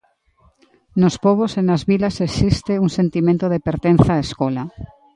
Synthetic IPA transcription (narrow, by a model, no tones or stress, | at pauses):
nospoβ̞osenazβilasesist̪euŋsẽnt̪imẽnt̪oðepeɾt̪enθaːeskola